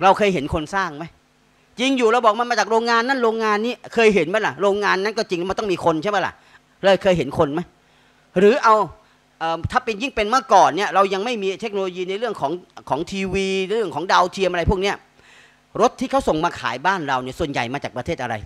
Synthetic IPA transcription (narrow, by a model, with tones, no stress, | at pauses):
ɾa˧wkʰɤː˧jɦe˩˦nkʰo˧nsaː˥˩ŋma˦˥j | t͡ɕi˧ŋjuː˨˩ɾa˧wbɔː˨˩k̚ma˧nmaː˧t͡ɕaː˨˩k̚ɾoː˧ŋːaː˧nːa˦˥˩nɾoː˧ŋːaː˧nːiː˦˥˩kʰɤː˧jɦe˩˦nma˦˥la˨˩ɾoː˧ŋŋaː˧nːa˦˥nkɔː˥˩t͡ɕi˧ŋlːm˧t̪ɔ˥˩miː˧kʰo˧nt͡ɕʰma˦˩la̰˨˩ʔ | ɾɤː˧jkʰɤː˧jɦe˩˦nkʰo˧nma˦˥j | ɾɯː˩˦ʔa˧w | ʔɤː˨˩t̪ʰaː˥˩pi˧nji˥˩ŋpe˧nmaː˥˩kɔː˨˩nːi˥˩ɐɾa˧wja˧ŋma˥˩jmiː˧t̪ʰe˦˥k̚no˧loː˧jiː˧na˧jɾɯ˥˩əŋkʰɔː˩˦ŋkʰɔː˩˦ŋt̪ʰiː˧wiː˧ɾɯ˥˩əŋkʰɔː˩˦ŋda˧wt̪ʰi˧əmʔa˧ɾa˧jpʰu˥˩k̚ni˦˥˩ɐ | ɾo˦˥t̪ʰːiː˥˩kʰa˦˥˩wso˨˩ŋmaː˧kʰa̰ː˩˦jbaː˥˩nɾa˧wni˥˩su˨˩ənja̰˨˩jmaː˧t͡ɕaː˨˩pɾa˧t̪ʰeː˥˩ʔa˧ɾa̰˧j